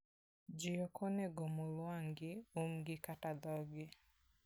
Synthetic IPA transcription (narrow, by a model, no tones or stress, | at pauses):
d͡ʒijɔkʰɔnɛɡomolwaŋɡɪumɡɪkatad̪ɔɡɪ